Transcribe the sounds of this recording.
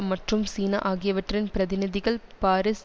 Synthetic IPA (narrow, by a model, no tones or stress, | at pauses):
mɐʈrɯmsiːnɐʔaːɣɪjɐʋɐʈrɪnpɪɾɐðɪnɪðɪɣɐɭpaːɾɪs